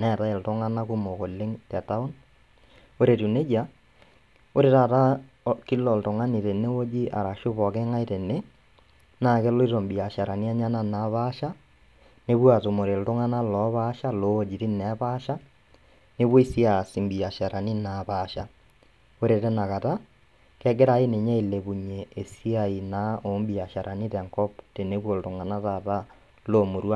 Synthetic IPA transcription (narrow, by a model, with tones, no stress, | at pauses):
nɛ˨ta˦e˨ltɔ˦ŋa˦na˦ku˦mo˨ko˨le˦ŋtɛ˨ta˦o˦n | o˦ɾe˨tu˨ne˦d͡ʒa˦ | o˦ɾe˨ta˦˨ta˦ | ki˦lɔ˨lto˨ŋa˦ni˨te˨ne˦o˦d͡ʒi˦ʔa̰˨ɾa˨ʃo˦pɔ˨kɛ˦ŋa˦i˦te˨ne˦ | na˦˨kɛ˦lo˦i˦ɾɔ˨mbi˨a˨ʃa˨ɾa˨ni˦a˦ɲa˦na˦˨na˨˦βa˦ʃa˦ | ne˦βwa˨to˨mo˨ɾe˨lto˦ŋa˦na˦lɔ˨˦βa˦ʃa˦loː˦d͡ʒi˨ɾi˦nɛ˨˦βa˦ʃa˦ | ne˦βwo˦i˦si˦a˨si˨mbi˨a˨ʃa˨ɾa˨ni˦na˨βaʃa˦ | o˦ɾe˨tɛ˦na˨ɣa˨ta˦ | kɛ˦k̬e˦ɾa˦e˦ne˨ɲa˦i˨le˨βu˨ɲeː˨si˦a˨i˨na˦o˨˦mbi˨a˨ʃa˨ɾʔa˨ni˦tɛ˨ŋkɔ˦pte˨ne˦βwo˨lɾo˨ŋa˨na˦ta˨ta˦ | lo˦mo˨ɾwa˦